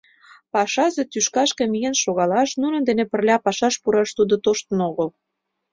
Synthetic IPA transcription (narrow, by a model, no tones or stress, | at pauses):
pɑʃɑzet̪yʃkɑʃkĕmijenʃoɣɑlɑʃnunə̆nd̪enepə̆rlʲɑpɑʃɑʃpuɾɑʃt̪ud̪ot̪oʃt̪ə̆noɣəl